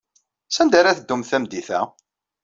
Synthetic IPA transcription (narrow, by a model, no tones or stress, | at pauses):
sænd̪aɾæθəd̪ːumθæmd̪iθæ̰